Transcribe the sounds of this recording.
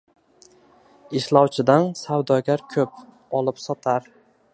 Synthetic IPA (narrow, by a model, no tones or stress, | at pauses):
ɪʃlˠɒwt͡ʃʰɪd̪ansawd̪ɒɡʲaɾkʲʰɵp̚ | ɒlˠɪpsɒt̪ʰaɾ